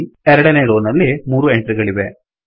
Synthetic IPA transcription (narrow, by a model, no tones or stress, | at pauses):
ɛɾɐɽɐneːɾoːnɐlːimuːɾueɳʈɾiɡɐɭiʋe